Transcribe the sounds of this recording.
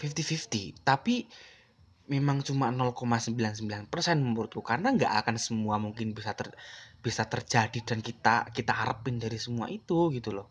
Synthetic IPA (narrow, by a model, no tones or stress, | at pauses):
fift̪ifift̪it̪api | memaŋt͡ʃumanɔlkomasəmbilansəmbilanpərsɛnməmuɾut̪kukarnaŋɡa̰ʔakansəmuamuŋkɪnbisat̪əb̥isat̪ərd͡ʒad̥idankit̪a̰kit̪aaɾəpɪndaɾisəmua̰ʔit̪uɡit̪ulɔh